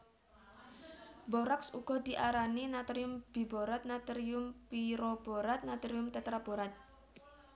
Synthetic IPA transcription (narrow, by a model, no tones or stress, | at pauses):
boɾaksṵɡ̥ɔ̤d̪̥i̤ʔaɾaninat̪ɾiʊmb̥i̤boɾat̪̚nat̪ɾiʊmpiɾob̥oɾat̪̚nat̪ɾiʊmt̪ɛt̪ɾab̥o̤ɾat̪̚